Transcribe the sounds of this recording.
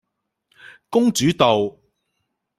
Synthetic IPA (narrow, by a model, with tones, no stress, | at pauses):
kʊ˥ŋt͡syː˨˥t̪o˨w